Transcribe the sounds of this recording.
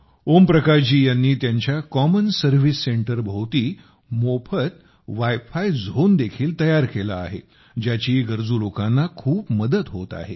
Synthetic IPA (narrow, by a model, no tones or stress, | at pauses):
ompɾəkaɾt͡ɕiːjanːiːt̪jaɲt͡ɕjakɔmənsəɾʋisːeɳʈəɾbʱowt̪iː | mopʰət̪̚ | ʋajfajd͡zʱond̪ekʰiːlt̪əjaɾkela̰ːɦḛ | d͡ʑjat͡ɕiːɡəɾd͡zuːlokanːakʰuːpməd̪ət̪ɦot̪a̰ɦḛ